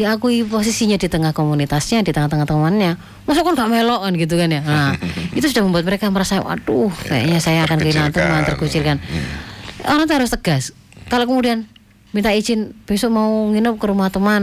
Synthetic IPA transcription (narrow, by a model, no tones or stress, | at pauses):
diakuipos̬isiɲadit̪əŋahkomunit̪asɲadit̪əŋaht̪əŋaht̪əmanɲa | mas̬ʊʔkanɡaʔmelɔʔkanɡit̪̬ukanjanait̪usudahməmbuat̪̚məɾekaməɾasawa̰duhka̰ja̰ʔɲasajaːkankəilant̪əmant̪ərkut͡ʃɪrkan | oɾãŋt̪̬uɦaɾʊst̪əɡ̥as | kalokəmudian | mint̪aʔi̥d͡ʒɪnb̥esɔʔmauŋinʊp̚kəɾumaht̪əman